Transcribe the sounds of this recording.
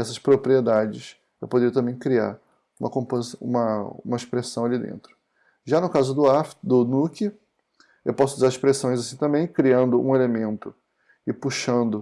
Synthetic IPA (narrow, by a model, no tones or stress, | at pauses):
ɛsɐʃpɾopɾied̪ad͡ʒɪs | ewpod̪eɾiɐt̪ɐ̃mbẽj̃kɾia̰ɾ | ũmɐkõpozsṵ̃mɐũmɐiʃpɾesɐ̃w̃alid̪ḛ̃nt̪ɾʊ | ʒanʊkazʊd̪ʊafd̪ʊnukɪ | ewpɔsʊɪzaɾiʃpɾesõj̃zasĩt̪ɐ̃mbẽj̃kɾiɐ̃nd̪ʊʔũelemẽnt̪ʊ | ɪpuʃɐ̃nd̪ʊ